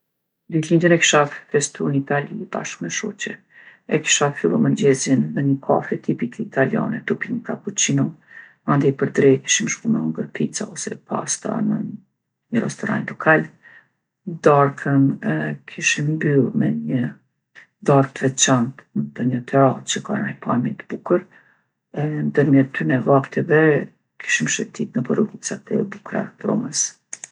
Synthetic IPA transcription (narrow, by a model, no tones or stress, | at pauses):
d̪ilind̪ənɛki̥ʃafɛst̪unit̪alib̥a̰ʃkmɛʃɔt͡ɕɛ | ɛki̥ʃafilˠumənd͡ʑɛzinðɛɲəkʰa̰fɾɛt̪ʰipikʰɛit̪alija̰nɛt̪upinkakut͡ɕinɔ | and̪ɛpəɾd̪ɾɛki̥ʃimʃpunɔŋɡəɾpit͡sa̰ɔsɛpʰa̰st̪a̰nə̰ | ɲəɾɛ̰st̪ɔɾa̰nlɔkʰal | d̪aɾkʰənɛkʰiʃimbylmɛɲə | d̪aɾk̪̚vɛt͡ʃant̪nd̪əɲət̪ʰɛat͡ʃəka̰najpʰamɛt̪əb̥ukəɾ | ɛnd̪əɾmjɛt̪ʰːynɛvakt̪ɛvɛ | kʰi̥ʃimʃɛt̪it̪nəpəɾɔɡut͡sat̪ɛbukɾa̰ɾɔ̰məs